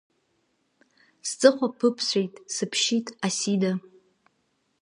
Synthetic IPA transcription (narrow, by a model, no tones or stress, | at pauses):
st͡sʼɨχʷapʰɨpʰsʷejtʼsɨpʰʃitʼasida